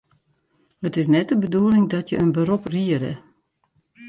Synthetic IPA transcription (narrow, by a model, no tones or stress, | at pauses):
hətɪs̬nɛt̚dəbəduəlɪŋdɔtʰjəənbəɾopriəɾə̰